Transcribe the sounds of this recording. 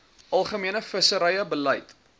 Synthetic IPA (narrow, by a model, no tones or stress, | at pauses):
ʔɐlˠχəmiənəfəsəɾəjəbələjt